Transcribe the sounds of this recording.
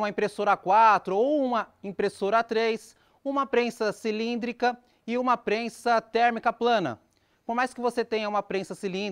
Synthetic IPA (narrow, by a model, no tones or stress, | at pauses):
umɐĩpɾesoɾɐakwat̪ɾʊoũmɐẽpɾesoɾɐat̪ɾejs | ũmɐpɾẽsɐsilĩnd̪ɾikɐ | ɪũmɐpɾẽsɐt̪ɛɾmikɐplɐ̃nɐ̰ | poɾmajskɪvoset̪ẽɲɐũmɐpɾẽsɐsilĩ